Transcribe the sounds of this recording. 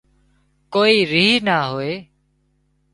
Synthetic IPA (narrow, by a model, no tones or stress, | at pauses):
koːiːɾiːɦnaːɦoːeː